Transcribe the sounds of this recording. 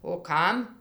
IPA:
oː ˈkɐm

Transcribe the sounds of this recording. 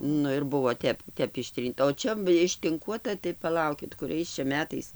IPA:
ˈnʊ ɪr ˈbʊʋoː ˈtʲɛp ˈtʲɛp ɪʃʲˈtʲrʲiːntɐ oː ˈt͡ʃʲɛ ɪʃʲtʲɪŋˈkuɔtɐ tɐɪ pɐˈlˠɐʊkʲɪt kʊˈrʲɛɪs t͡ʃʲɛ ˈmʲæːtɐɪs

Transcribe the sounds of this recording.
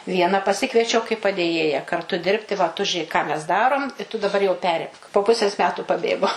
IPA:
ˈʋʲiɛnɐ pɐˈsʲɪkʋʲiɛt͡ʃʲɛʊ kɐɪ pɐdʲeːˈjeːjɛ kɐrˈtʊ ˈdʲɪrʲpʲtʲɪ ʋɐ tʊ ʒʲʊˈeːk kɑː mʲɛs ˈdɑːroːm ɪ tʊ dɐˈbɐr jɛʊ ˈpʲæːrʲɪmk poː ˈpʊsʲeːs ˈmʲæːtuː pɐˈbʲeːɡoː

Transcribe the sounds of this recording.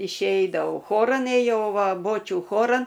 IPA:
ɪʃʲˈɛɪdɐʋɐʊ ˈxoːrɐn eːjɛʊ ˈʋɐ ˈboːt͡ʃʲuː ˈxoːrɐn

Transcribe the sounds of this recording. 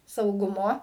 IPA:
sɐʊˈɡʊmoː

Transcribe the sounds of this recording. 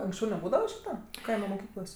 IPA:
ɐŋksʲˈt͡ʃʲɛʊ nʲɛˈbuːdɐʋɐ ˈʃʲiːtɐ ˈkɐɪmɐ moːˈkʲiːklˠoːsʲ

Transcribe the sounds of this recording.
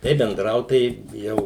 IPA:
tɐɪ bʲɛnˈdrɐʊt ˈtɐɪ ˈjɛʊ

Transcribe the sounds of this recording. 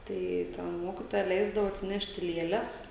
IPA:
ˈtɐɪ tʲɛn ˈmoːkʲɪtoːjɛ ˈlʲɛɪzdɐʋoː ɐtʲsʲɪˈnʲæːʃʲtʲɪ ˈlʲeːlʲɛs

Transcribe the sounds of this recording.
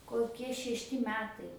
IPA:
koːˈkʲiɛ ʃʲɛʃʲˈtʲɪ ˈmʲæːtɐɪ

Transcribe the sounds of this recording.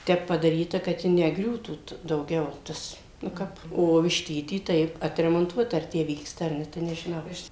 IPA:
ˈtʲɛp pɐdɐˈrʲiːtɐ kɐt ˈjɪ nʲɛˈɡrʲuːtuː t dɐʊˈɡʲɛʊ ˈtɐs nʊ ˈkɐp oː ʋʲɪʃʲˈtʲiːtʲiː ˈtɐɪp ɐtʲrʲɛmoːnˈtuɔtɐ ɐr ˈtʲæː ˈʋʲiːkstɐ ɐr ˈnʲɛ tɐɪ nʲɛʒʲɪˈnɐʊ ɐʃ

